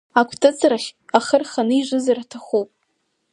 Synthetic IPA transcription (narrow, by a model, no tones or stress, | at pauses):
akʷʰtʰʼɨt͡sʰraχʲaχərχanɨiʐʷɨzaratʰaχupʼ